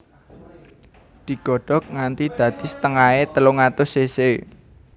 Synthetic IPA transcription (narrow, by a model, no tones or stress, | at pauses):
d̪̥i̤ɡ̥ɔ̤ɖ̥ɔ̤k̚ŋant̪id̪̥ä̤d̪̥i̤sə̥t̪əŋaet̪əloŋat̪ʊsese